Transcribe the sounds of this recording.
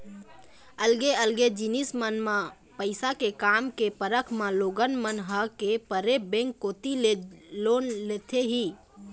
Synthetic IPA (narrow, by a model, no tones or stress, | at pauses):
əlɡeəlɡed͡ʒinismənmã | pəɪsakekamkepəɾəkʰmaloːɡənmənɦəkepəɾebẽŋkːot̪illonlet̪ʰeɦiː